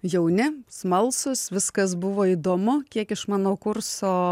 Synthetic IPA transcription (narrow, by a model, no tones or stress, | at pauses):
jɛʊnʲɪsmɐlˠsʊsʋʲɪskɐsbʊʋoːiːd̪oːmʊkʲiɛkɪʃmɑːnoːkʊrsoː